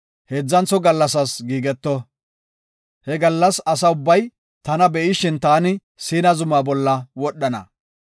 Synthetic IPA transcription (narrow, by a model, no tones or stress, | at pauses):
heːd͡zːɐnt͡sɔɡɐlːɐs̬ɐsɡiːɡɛt̪ːɔ | hɛɡɐlːɐsɐsɐʊbːɐj | t̪ɐnɐbɛʔɪʃɪnt̪aːnɪ | siːnɐzʊmaːbɔlːɐwɔɗːɐnɐ̰